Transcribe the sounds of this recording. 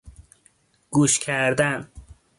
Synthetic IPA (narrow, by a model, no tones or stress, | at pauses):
ɡ̥uːʃcʲʰæɾd̪æn